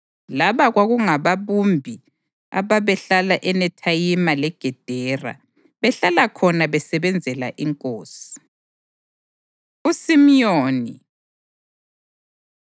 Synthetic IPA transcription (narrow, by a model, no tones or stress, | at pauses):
laβaɣwaɣuŋaβaβumbʱi | a̰βaβɛɬalaʔɛnɛtʰajimalɛɡ̥ʱɛd̥ʱɛra̰ | βɛɬalakʰɔnaβɛsɛβɛnd͡zʱɛla̰ʔiŋkʼoːsi̥ | usimjoːni